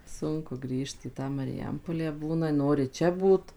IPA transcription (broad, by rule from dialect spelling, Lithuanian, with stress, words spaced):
ˈsʊŋkʊ ˈɡrʲiːʃt iː ˈtɑː mɐrʲɪˈjɛmpoːlʲæː ˈbuːnɐ ˈnoːrʲɪ ˈt͡ʃʲɛ ˈbuːt